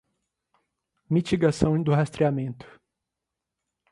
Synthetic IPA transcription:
mit͡ʃiɡasɐ̃w̃d̪ʊɦast̪ɾiamẽnt̪ʊ̥

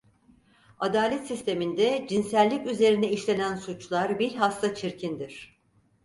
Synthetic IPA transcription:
ad̪aːlʲɛt̪sist̪ʰe̞mind̪ɛd͡ʒinsælʲːicyze̞ɾinɛiʃlʲe̞nænsut͡ʃlˠaɾbiɾʲɦast̪at͡ʃʰiɾcʰind̪iɾ̝̥

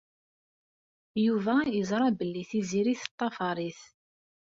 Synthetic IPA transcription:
juvæjəzˤɾˤɑbəlːiθiziɾiθə̥t̪ˤːɑfɑɾˤiθ

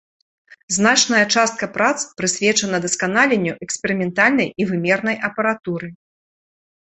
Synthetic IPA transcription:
zn̪at͡ʂnɐjɐt͡ʂast̪̚kɐpɾat̪spɾɨsʲvʲɛt͡ʂɐnɐd̪ɐskanalʲenʲːuʔɛksʲpʲɛɾɨmʲɛnt̪alʲnɐjivɨmʲɛrnɐjɐpɐɾat̪uɾɨ

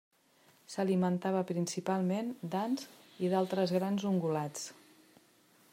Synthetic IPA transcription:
səlimənt̪aβəpɾinsipalˠmend̪anziðalˠt̪ɾəzɣɾanzuŋɡulat͡s

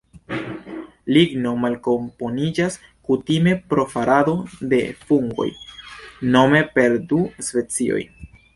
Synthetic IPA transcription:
liɡno̞malko̞mpo̞nid͡ʒas | kutime̞pɾo̞faɾʔado̞de̞fuŋɡo̞̰j | no̞me̞pe̞ɾduspe̞t͡sio̞̰j

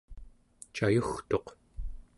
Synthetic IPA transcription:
t͡ʃajuxt̪o̞q

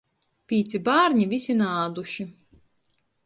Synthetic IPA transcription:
pʲiːt̪sibaːɾɲivisinaːd̪uʃi

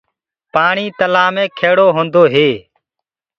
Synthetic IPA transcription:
paːɳiːt̪əlaːmẽːkʰeːɽoːɦõːnd̪oːɦeː

